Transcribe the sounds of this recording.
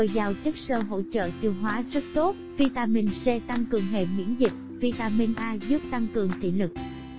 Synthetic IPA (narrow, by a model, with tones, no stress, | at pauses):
ə˨˩jzaː˨˩wt͡ɕə˦˥k̚səː˧˩ɦo̰˧˨t͡ɕə̰ː˧˨t̪i˧əwɦwaː˨˦zə˦˥t̚t̪o˦˥t̚vi˧t̪aː˧mi˧nsɛ˧t̪a˧ŋkɨ˨˩əŋɦḛ˧˨mwḭ˧˥ənzi˨˩k̚vi˧t̪aː˧mi˧nʔaː˧zɨ˦˥ək̚t̪a˧ŋkɨ˨˩əŋt̪ʰḭ˧˨lɨ˨˩k̚